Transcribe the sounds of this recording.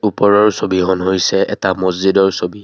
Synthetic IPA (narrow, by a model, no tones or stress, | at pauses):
upɔɹɔɹsobiɦɔnɦojsɛɛtamɔzzidɔɹsobi